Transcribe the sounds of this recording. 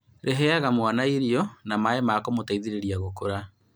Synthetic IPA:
ɾʔeɦɛaɣamwanaiɾjɔnamaemakomotaiðiɾeɾiaɣokoɾa

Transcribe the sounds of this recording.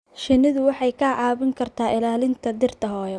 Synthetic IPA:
ʃɪnːɪðʊwɑħɑjkʰaːʕaːβɪŋkʰɐrt̪ʰaːʔɪlaːlɪnt̪ʰɐd̪ɪrt̪ʰɐɦɔːjɔ

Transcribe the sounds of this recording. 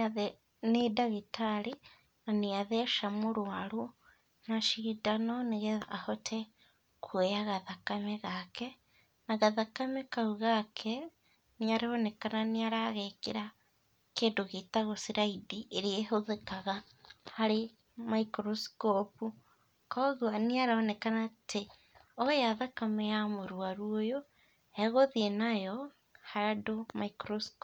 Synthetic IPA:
nedaɣitaɾe | naneaðɛʃamoɾwaɾo | naʃidanɔneɣeahɔtʰɛ | kʰwejaɣaðakamɛɣakɛ | naɣaðakamɛkaɾuɣakʰɛ | neaɾeɔnɛkananeaɾaːɣekeɾa | keːndoɣetaɣosiɾaidiʔeɾeeɦoðekaɣa | haɾe | maikɾosi̥kopu | kɔːɣwaneaɾaɔnɛkanatʰe | ɔjaðakamejamoɾuaɾuojo | ɛɣoðienajɔ | haɾadomaikɾosi̥k

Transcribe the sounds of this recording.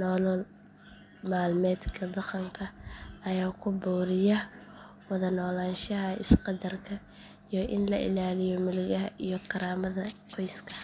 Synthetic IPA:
nɔːlɔl | maːlmɛːd̪kʰɐd̪ɑqɐŋkʰɐɐjaːkʰʊbɔːɾɪjɐ | wɑðɐnɔːlaːnʃɐɦɐɪsqɑd̪ɐrkʰɐ | ijɔʔɪnlɐʔɪ̰laːlɪjɔmɪlɪjɐɦɐʔijɔkʰɐɾaːmɐðɐqʰɔjskʰɐ̥

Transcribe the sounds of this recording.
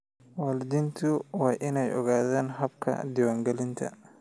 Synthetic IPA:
waːlɪd̪int̪ʰʊwɑːʔɪnɛjɔɣaːðaːnɦɐbkʰɐ̰d̪ɪwaːŋɡɛlɪnt̪ʰɐ̰

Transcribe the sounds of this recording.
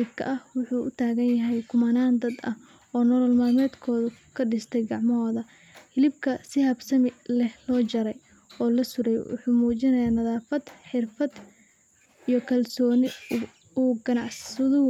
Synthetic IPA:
ɪb̚kʰɐ̰ʔɐhwʊħuːʔʊt̪ʰaːɣɐnjɐɦɛjkʰʊmɐnaːnd̪ɐd̪ɐ̰h | ɔːnɔːlɔlmaːmɛːd̪kʰɔːðʊkʰɐɖɪst̪ʰɛjɡɑʕmɦɔːðɐ | hɪlɪb̚kʰɐsɪhɐbsɐmɪlɛhlɔːt͡ʃɐɾɛj | ɔːlɐsʊɾɛjwʊ̰ħuːmuːt͡ʃɪnɐjaːnɐðaːfɐd̪ħɪrfɐd̪ | ijɔkʰɐlsɔːnɪ | uːɡɐnɑʕssʊðʊ

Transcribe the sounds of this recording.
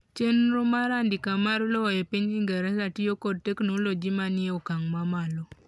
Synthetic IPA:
t͡ʃenɾomaɾandikamaɾlɔjepiɲiŋɡɛɾɛsatijokɔd̚teknolod͡ʒimanɪeokaŋmamalo

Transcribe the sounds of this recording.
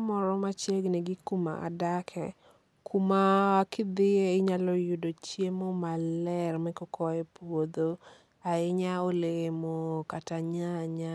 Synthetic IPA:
mɔɾɔmat͡ʃjeɡnɛɡɪkuma̰ʔa̰dakʰɛ̰ | kʰumakɪd̪ɪjeɪɲalɔjʊdot͡ʃjemomalɛrmɛkɔkʰɔɛpwod̪o | aɪɲaoleemokataɲaɲa

